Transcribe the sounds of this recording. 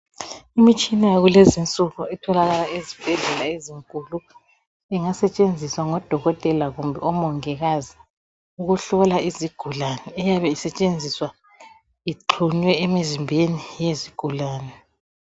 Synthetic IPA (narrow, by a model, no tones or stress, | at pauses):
imit͡ʃʼinajaɣulezint͡sʼuɣuɛtʰɔlaɣalaezib̥ʱɛɮɛlaeziŋkʼulu | ɛŋasɛt͡ʃʼend͡zʱiswaŋɔd̥ʱɔɣɔtʼɛlaɣumbʱɛɔmɔŋɛɣazi | uɣuɬɔlaiziɡ̥ʱulanɛːjaβɛisɛt͡ʃʼend͡zʱiswa | iǃʰuɲwɛemizimbʱenijeziɡ̥ʱulaːnɛ